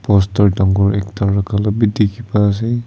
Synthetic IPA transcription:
pɔstɔɹdaŋɡɔɹɛk̚taɹːakʰalabidikʰibaːs̬e

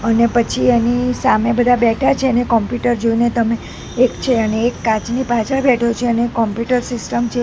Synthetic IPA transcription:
ənepət͡ʃʰienisamebəd̪ʱabɛʈʰat͡ʃʰenekɔmpjuʈəɾd͡ʒoinet̪əmeː | kt͡ʃʰeəneːkːat͡ʃnipat͡ʃʰəɭbɛʈʰot͡ʃʰeəneːkːɔmpjuʈəɾsɪsʈəmt͡ʃʰe

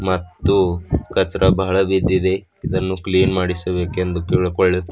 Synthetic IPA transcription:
mɐt̪ːukɐt͡ʃɾʔɐbɐɦɐɭɐbid̪ːid̪e̞ | id̪ɐnːukliːnmaːɽisɐbe̞ːkend̪ukiːɭukoɭːet̪ː

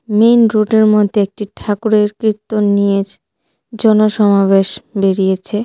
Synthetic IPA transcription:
menɾoʈeɾmod̪ʱeek̚ʈiʈʰakuɾeɾkɾit̪ːonied͡ʑ | d͡ʑɔnoʃɔmaβeʃbeɾijet͡ɕʰe

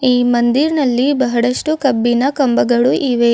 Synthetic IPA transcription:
iːmɐnd̪iɾnɐlːibɐɦɐɽɐʂʈukɐbːinɐkɐmbɐɡɐɭuʔiʋe

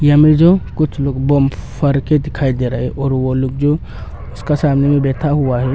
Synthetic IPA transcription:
jəmed͡ʒokʊt͡ʃʰloːɡboːmpʰəɾked̪ɪkʰaːid̪eɾaɦɛʔɔːɾʋoloːɡd͡ʒo | ʊskasaːmnemẽbɛːt̪ʰaɦʊaɦɛ

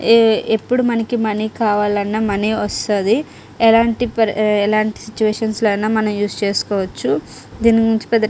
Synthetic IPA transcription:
epːuɽumɐnɐkimɐnikaːʋaːlɐnːɐmɐneʋɐst̪ad̪i | ɛlaːɳʈipɐɛlaːɳʈi̥sit͡ʃːuʋeːʂɐnsloɐnaːmɐnɐmjuːst͡ʃeːsu̥kɔːʋɐt͡ʃːu | d̪iːniɡuiɲt͡ʃi̥pɛd̪

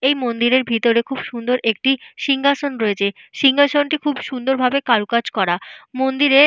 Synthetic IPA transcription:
ejmond̪iɾeɾbʱit̪oɾekʰubʃund̪oɾek̚ʈiʃiŋɡʱaʃonɾoet͡ɕʰeʃiŋɡaʃonʈikʰubʃund̪oɾbʱabekaɾukad͡ʑkɔɾamond̪iɾe

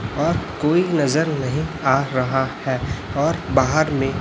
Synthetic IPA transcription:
ɔːɾkoːinɐzəɾnɐɦĩaːɾɐɦahɛːɔːɾbaːɦəɾmẽ

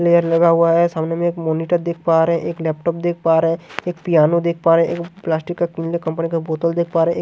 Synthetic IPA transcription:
leːəɾlɐɡaɦʊaɦɛsaːmnemẽeːkmoːniʈəɾd̪eːk̚ʰpaːɾeɦɛ̃ʔeːklɛːp̚ʈɔːp̚d̪eːk̚ʰpaːɾɦɛ̃eːk̚pijaːnod̪eːk̚ʰpaːɾeɦɛ̃ḛːkplaːsʈɪkːakĩnlekə̃mpnikaboːt̪əld̪eːk̚ʰpaːɾeɦɛ̃

